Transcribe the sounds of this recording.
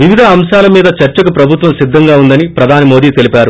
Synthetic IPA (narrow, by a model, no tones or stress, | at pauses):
ʋiʋid̪ʱɐːmʃaːlɐmiːd̪ɐt͡ʃɐɾt͡ʃɐkupɾɐbʱut̪ʋɐmsid̪ʱːɐŋɡaːund̪ɐnipɾɐd̪ʱaːnɐmoːd̪iːt̪e̞lipaːɾu